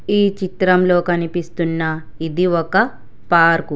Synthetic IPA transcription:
iːt͡ʃit̪ɾɐmlo̞ːkɐnipist̪unːɐid̪iɔkɐ | paːɾku

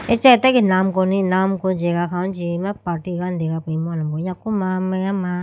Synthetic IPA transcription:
et͡ʃɛt̪ɛkinãmkonĩnãmkod͡ʒekakʰãnd͡ʒimãpaʈikand̪ekapəĩmanãmbojãkumamɛamã

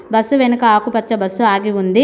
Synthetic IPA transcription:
bɐsːuʋenukɐaːkupɐt͡ʃːɐbɐsːuaːɡiund̪i

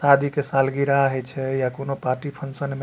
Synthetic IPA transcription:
sad̪ʱikesalɡiɾaɦɛt͡ʃʰɛjakonopaʈipʰənsənme

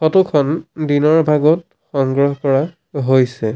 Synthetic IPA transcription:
xɔtukʰɔndinɔɹbʱaɡɔt̚xɔŋɡɹɔɦɔkɔɹa | ɦojsɛ

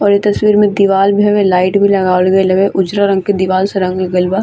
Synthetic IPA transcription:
ɔːɾjet̪ɐswiːɾmẽd̪ɪʋaːlbʱiɐʋelaːɪʈbʱilɐɡaːlɡɐelɐʋeʔʊd͡ʒɾaɾɐ̃ŋɡ̚ked̪ɪʋaːlseɾɐ̃ŋɡmẽɡɐlba

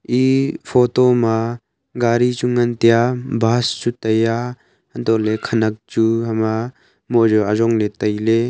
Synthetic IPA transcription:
ipʰotoma | ɡaɾit͡ʃuŋantijabʱast͡ʃutɐja | hɐntɔklekʰɐnɐk̚t͡ʃuɦama | mɔd͡ʒɔazɔŋletɐjle

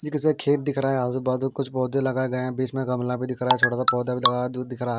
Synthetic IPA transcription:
d͡ʒikɪsekʰeːt̪̚d̪ɪkʰɾaːẽazbaːd̪ukʊt͡ʃʰpɔːd̪elɐɡaːeɡɐeɛ̃biːt͡ʃmẽɣɐmlãbʱid̪ɪkʰɾaːet̪ʰoːɽaːsapɔːd̪abʱilɐɡad̪ɪkʰɾaː

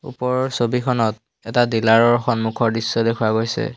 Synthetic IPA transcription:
ṵpɔɹɔɹsobikʰɔnɔt̚ | ɛtadilaɹɔɹxɔnmukʰɔɹdisːɔdekʰuwaɡojsɛ̰

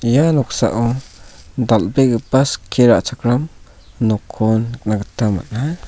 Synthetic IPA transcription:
janɔksa̰ʔɔ | d̪albekpaskʰeɾaʔt͡sʰakɾam | nɔkʰonknaɡtama̰nha

